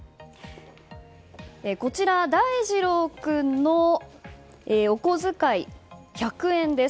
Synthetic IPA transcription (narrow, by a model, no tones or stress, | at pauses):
eko̞t͡ɕiɾad̪aiʑiɾo̞kɯ̟nːo | eːo̞ko̞zɨkaiçakɯ̟ẽ̞nd̪e̞